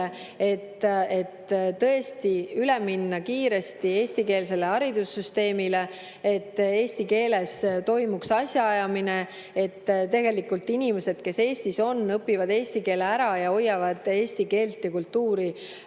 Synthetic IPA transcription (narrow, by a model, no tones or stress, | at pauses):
e̞t̪ːe̞t̪t̪ːɤ̞e̞st̪iyleminːɑkiːɾe̞st̪ie̞ːsʲt̪ike̞ːls̬e̞le̞ɑɾid̪̥usːyst̪e̞ːmile̞ | e̞t̪ːe̞ːst̪ike̞ːle̞st̪o̞jmuksɑsʲjɑɑjɑmine̞ | e̞t̪ːt̪e̞ɡe̞likult̪inʲimese̞d̪̥ke̞se̞ːsʲt̪iso̞nːɤpːivɑd̪e̞ːsʲt̪ike̞ːleæɾɑjɑo̞jːɑvɑd̪̥e̞ːst̪ike̞ːlt̪ːˑikult̪ːuːɾi